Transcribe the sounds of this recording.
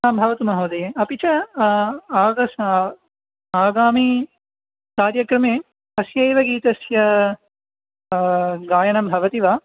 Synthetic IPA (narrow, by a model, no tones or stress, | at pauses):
aːmbʱɐʋɐt̪umɐɦoːd̪ɐjeɐpit͡ʃɐː | ɡɐs | aːɡaːmi | kaːɾjɐkɾɐmeː | ɦɐsjɐjʋɐɡiːt̪ɐsjɐ | ɡaːjɐɳɐmbʱɐʋɐt̪iʋaː